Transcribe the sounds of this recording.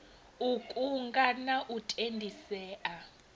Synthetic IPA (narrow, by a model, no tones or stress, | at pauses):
ukʼuŋɡʼanaʔutʼendʱisɛːʔa